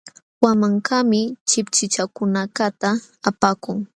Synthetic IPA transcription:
wamaŋkamɪt͡ʃɪpt͡ʃɪt͡ʃakʊnakat̪aː | pakʊŋ

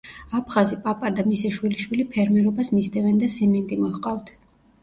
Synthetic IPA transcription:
apʰχazipʼapʼad̪amisɛʃwiliʃwilipʰɛɾmɛɾɔbasmist̪ʰʼɛvɛnd̪asɛmɛnt̪ʼimɔχqʼavt̪ʰ

